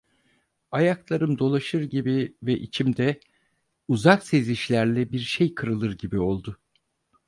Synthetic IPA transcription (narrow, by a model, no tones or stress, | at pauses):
ajaklˠaɾɯmd̪o̞lˠaʃɯɾɟibivɛʔit͡ʃʰimd̪ɛ | uzakse̞ziʃlʲæɾlʲɛbiɾʃejkʰɯɾɯlˠɯɾɟibio̞lˠd̪ʊ